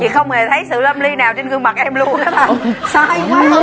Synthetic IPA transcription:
ḭ˨˩xə˧wŋ͡mhe˨˩t̪ʰə˨˦jsɨ̰˧˨lə˧mli˧naː˨˩wt͡ɕe˧nŋɨ˧əŋma˨˩t̚ʔɛ˧mlu˧əŋa˨˦ɓaː˨˩sa˧jka˨˦˨

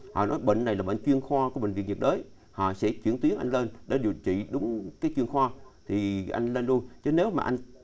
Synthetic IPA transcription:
hɔ̰˧˨nɔ˨˦jɓḛ˧˨ŋ̟na˨˩jlaː˨˩ɓə̰˧˨ŋt͡ɕwi˧ənxwaː˧kːɓḛ˧˨ŋ̟vi˨˩nvi˨˩ək̚ɗəː˨˦j | hɔ̰˧˨sɛ̰˧˥t͡ɕwi˧˩ənt̪wi˨˦ənʔa˧jŋ̟leː˧nɗḛ˧˥ɗḭ˨˩ət͡ɕḭ˧˨ɗʊ˨˦ŋ͡mkaː˨˦jt͡ɕwi˧˩ənxwaː˧t̪ʰi˨˩ʔa˧jŋ̟le˧nlu˧ənt͡ɕə˨˦ne˨˦wmaː˨˩ʔa˧jŋ̟

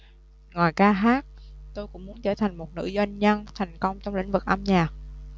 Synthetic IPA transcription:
ŋwaː˨˩jkaː˧ɦaː˦˥k̚t̪o˧jkʊ̰˧˥ŋ͡mmu˦ənt͡ɕəː˧˩t̪ʰa˨˩jŋ̟mo˨˩t̚nɨ̰˧˥zwa˧jŋɲə˧nt̪ʰɛ˨˩jŋ̟kə˧wŋ͡mt͡ɕɔ˧wŋ͡mlḭ˧˥ŋ̟vɨ˨˩k̚ʔa˧mɲaː˨˩k̚

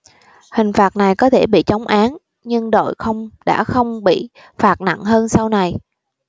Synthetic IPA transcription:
hï˨˩ŋ̟faː˨˩t̚na˨˩jkɔ˨˦t̪ʰe˧˩ɓḭ˧˨t͡ɕa˨˦wŋ͡mʔaː˨˦n | ɲɨ˧ŋɗo̰˧˨jxə˧wŋ͡mɗa̰ː˧˥xə˧wŋ͡mɓḭ˧˨ | faː˨˩t̚na̰˧˨ŋɦəː˧nsa˧wna˨˩j

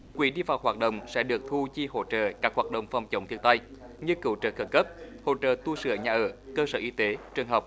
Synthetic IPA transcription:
kwḭ˧˨˦ɗi˧vaː˨˩wɦwaː˨˩t̚ɗo̰˧˨wŋ͡msɛ̰˧˥ɗɨ˨˩ək̚t̪ʰu˧t͡ɕi˧ho̰˧˨t͡ɕə̰ː˧˨kaː˦˥k̚hwaː˨˩t̚ɗə̰˧˨wŋ͡mfa˨˩wŋ͡mt͡ɕə̰˨˦ŋ͡mt̪ʰi˧ənt̪a˧j | ɲɨ˧kɨ˧˩wt͡ɕəː˧˨˩xə˨˥˩t̚kə˦˥p̚ho̰˧˨t͡ɕə̰ː˧˨t̪u˧sɨ̰˧˩əɲaː˨˩ʔəː˧˩kəː˧səː˧˩ʔi˨˦t̪e˨˦t͡ɕwɨ˨˩əŋɦəː˨˩wk͡p̚

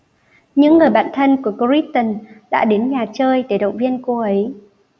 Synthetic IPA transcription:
ɲɨ̰˧˥ŋːɨ˨˩əjɓa̰ː˧˨nt̪ʰə˧nku˧˩əko˧ɹi˦˥t̚t̪ə˨˩nɗa̰ː˧˥ɗe˨˦nɲaː˨˩t͡ɕəː˧jt̪e˧˩ɗə̰˧˨wŋ͡mvi˧ənko˧ʔə˨˦j

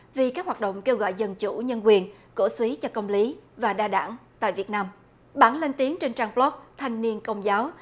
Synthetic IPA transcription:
vi˨˩kaː˦˥k̚hwaː˨˩ɗə̰˧˨wŋ͡mke˧wɣɔ̰˧˨jzə˧˩nt͡ɕṵ˧˩ɲə˧nkwi˨˩ənko̰˧˩swi˨˦t͡ɕɔ˧kə˧wŋ͡mli˨˦vaː˨˩ɗaː˧ɗa̰ː˧˩ŋt̪a̰ː˧˨jvi˨˩ət̚naː˧m | ɓaː˧˩nle˧nt̪i˨˦əŋt͡ɕe˧nt͡ɕaː˧ŋplɔ˦˥k̚t̪ʰa˨jŋ̟ni˧ənkə˧wŋ͡mzaː˨˦w

